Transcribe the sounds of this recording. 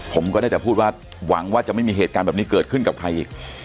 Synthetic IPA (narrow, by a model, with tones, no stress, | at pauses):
pʰo˩˦mkɔː˥˩naː˥˩t͡ɕɛː˨˩pʰuː˥˩t̪̚waː˥˩ | wa˩˦ŋwaː˥˩t͡ɕa˨˩ʔma˥˩jmiː˧ɦeː˨˩t̪̚kaː˧nbɛː˨˩p̚ni˦˥kɤː˨˩t̪̚kʰɯ˥˩nka˨˩p̚kʰɾa˧jʔiː˨˩k̚